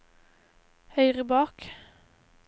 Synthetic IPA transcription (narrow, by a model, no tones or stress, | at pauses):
hœʏʁəbɑːk